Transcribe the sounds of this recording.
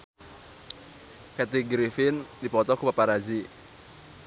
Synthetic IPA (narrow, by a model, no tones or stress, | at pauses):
kat̪iɡɾifɪndipɔt̪ɔkupapaɾad͡ʒi